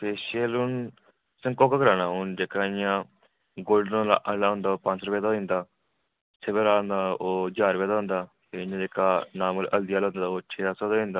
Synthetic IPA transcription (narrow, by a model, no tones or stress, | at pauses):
peːʃəlʊn | səŋkoːkaːkəɾaːnaːʊnd͡ʒeːkaːɪjãː | ɡoːlɖnõːla̰ːʔəlaːɦʊ̃nd̪aːoːpə̃ɲt͡ʃɾʊpeːd̪aoːɪ̃nd̪aː | sʰebeɾãːnd̪aːoːd͡ʒaːɾpeːd̪aːɦʊ̃nd̪aːt̪eɪjãːd͡ʒeːkaːnaːməlʔəld̪ijaːlõːnd̪aaːoːt͡ʃʰeːaːsoːd̪aːɪ̃nd̪aː